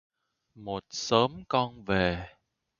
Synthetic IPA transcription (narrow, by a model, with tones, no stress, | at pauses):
mo˨˩t̚səː˨˦mkɔ˧nve˨˩